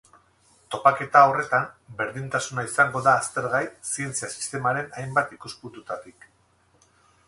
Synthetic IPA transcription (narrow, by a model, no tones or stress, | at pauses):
t̪o̞pake̞t̪ao̞re̞t̪ambe̞ɾðint̪asunaisaŋɡo̞ðaːst̪e̞ɾɣajsie̞nt͡siasi̥st̪e̞maɾe̞najmbat̪ikusput̪ut̪at̪ik